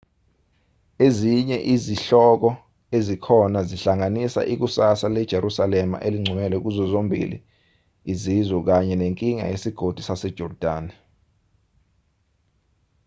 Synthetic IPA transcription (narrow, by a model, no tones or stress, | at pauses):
eziɲɛʔiziɬɔk̬ɔ | ezikʰɔnaziɬaŋanisa̰ʔik̬usasalɛd̥ʒ̥ʱeɾusalɛma̰ʔeliŋ͡ǀʱumɛlɛuk̬uzɔzombʱḭlḭː | zizɔk̬aɲɛneŋkʼiŋa̰jesiɡ̥ʱod̥ʱusasɛd̥ʒ̥ʱɔrd̥ʱaːn